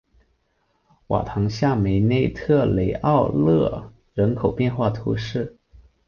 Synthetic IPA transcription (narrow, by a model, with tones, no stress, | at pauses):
wa̰˨˩t̪ʰɑ˧˥ŋɕja˥˩me˧˥ɪne˥˧ɪt̪ʰɤ˥˩le˨˩ɪʔɑ˥˧ʊlɤ̰˥˩ | ɻə˧˥nkʰo˨˩ʊpjɛ˥˧nxwa˥˩t̪ʰṵ˧˥ʂɻ̩˥˩